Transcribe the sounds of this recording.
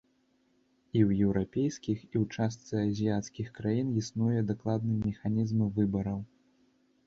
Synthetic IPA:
iwjɛwɾapʲejskʲixiwt͡ʂas̬t̪sɨɐzʲiat̪skʲixkɾajinisnujɛd̪aklˠad̪nɨmʲɛxanʲizmɨvɨbɐɾɐw

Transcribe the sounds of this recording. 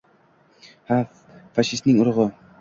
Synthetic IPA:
ha | faʃɪst̪nɪŋʊɾʁɨ

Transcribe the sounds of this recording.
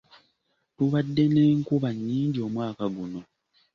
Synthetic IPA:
tuβadːe̞neːŋkuβaɲːiːɲɟio̞ːmwaːkaɡuno̞

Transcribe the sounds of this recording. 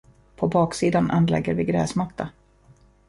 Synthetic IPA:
pʰɔbɑːksiːd̪anʔanlɛ̰ɡːəɾvɪɡɾɛːsmat̪ːa

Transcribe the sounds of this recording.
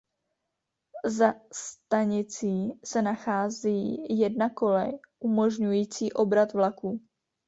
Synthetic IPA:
zast̪aɲɪt͡siːsɛnaxaːziːjɛdnako̞lɛj | ʔumo̞ʒɲujiːt͡siːʔo̞bɾat̪vlakuː

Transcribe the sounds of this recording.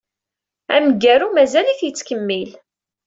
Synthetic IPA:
æmɡæɾumæzæliθjət͡sːkəmːil

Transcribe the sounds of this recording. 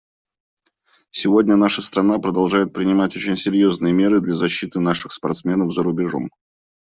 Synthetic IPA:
sʲɪvo̞dʲnʲənaʂəst̪ɾɐn̪apɾəd̪ɐlˠʐajɪt̪̚pɾʲɪnʲɪmatʲo̞t͡ɕɪnʲsʲɪɾʲjo̞znɨjəmʲe̞ɾɨd̪lʲazɐɕːit̪ɨnaʂɨxspɐ̰rt̪smʲe̞nəvzəɾʊbʲɪʐo̞̰m

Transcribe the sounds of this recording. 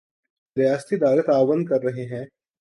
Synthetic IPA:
ɾjaːst̪id̪aːɡət̪aːbənd̪̚kɐɾːɐɦeɦɛ̃ː

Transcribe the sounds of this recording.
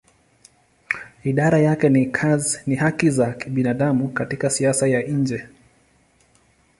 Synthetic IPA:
iɗaɾajakɛnikʰazinihakizakiɓinaɗamukatikasiasajaɲd͡ʒɛ

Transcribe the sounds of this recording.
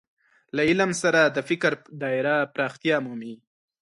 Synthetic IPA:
laɪlamsaɾad̪əfɪkɾd̪ɑɪɾapɾɑxt̪ijɑmumi

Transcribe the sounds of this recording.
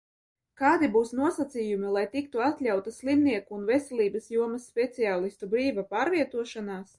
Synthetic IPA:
kaːd̪ibuːsnuɔsat̪sʲijumilˠajt̪ikt̪uat̪lʲawt̪asʲlˠimniɛkuːnvɛsʲɛlʲˠiːbɐsjuɔmɐsːpʲɛt̪siaːlˠist̪ubɾiːvapaːɾvʲiɛt̪uɔʃanaːs

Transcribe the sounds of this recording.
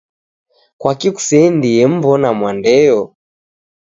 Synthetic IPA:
kwakiku̥sɛndijɛm̩bɔnamwandɛjɔ

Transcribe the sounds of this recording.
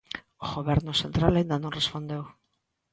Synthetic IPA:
oɣoβeɾnose̞nt̪ɾalaind̪anonrespo̞nd̪ew

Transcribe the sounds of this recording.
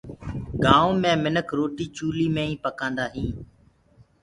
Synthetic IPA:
ɡãːõːmẽːmɪnəkʰɾoːʈiːt͡ʃuːliːmẽːĩːpəkãːnd̪aːɦĩː

